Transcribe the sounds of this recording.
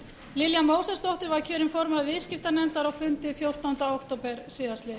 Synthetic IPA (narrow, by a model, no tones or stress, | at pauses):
lɪljamoːwsɛst̪ɔht̪ʏɾvaɾcʰœːɾɪmfɔɾmaðvɪːðscɪft̪anɛmt̪aɾawfʏnt̪ɪfjowr̥t̪ant̪aowkt̪opɛɾ̥sɪːðast̪lɪ